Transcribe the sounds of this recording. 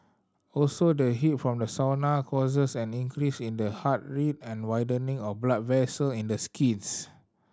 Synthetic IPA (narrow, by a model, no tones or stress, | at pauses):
ɔlsodəɦitfɹɔ̃mdəsawnakʰɔsəsɛ̃nĩŋkɹisĩndəhat̚ɹit̚ɛ̃nwajdənĩŋɔfblat̚vɛsəlĩndəskʰĩns